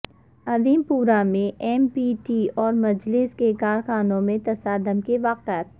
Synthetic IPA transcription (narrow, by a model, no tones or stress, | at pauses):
ɐd̪iːmpuːɾamẽʔɛːmpiːʈiɔːɾmɐd͡ʒlɪskekaːɾxaːnõmẽt̪ɐsaːd̪əmkeʋaːqjət̪̚